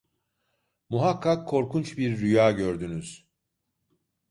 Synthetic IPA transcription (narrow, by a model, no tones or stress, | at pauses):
muɦakʰːakʰːo̞ɾkʰunt͡ʃbiɾːyjaːɟø̞ɾd̪ynyz̥